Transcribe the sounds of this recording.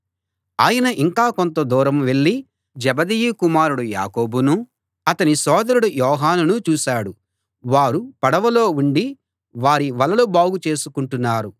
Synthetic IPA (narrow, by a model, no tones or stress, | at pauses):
aːjɐnɐʔiŋkaːkont̪ɐd̪uːɾɐmʋe̞ɭːi | d͡ʒɛbɐd̪ijukumaːɾuɽuja̰ːko̞ːbunu | ɐt̪ɐnisɔːd̪ɐɾuɽujɔːɦaːnunut͡ʃuːʃaːɽu | ʋaːɾupɐɽɐʋɐlo̞ːuɳɖi | ʋaːɾiʋɐlɐlubaːɡut͡ʃe̞ːsukuɳʈunːaːɾu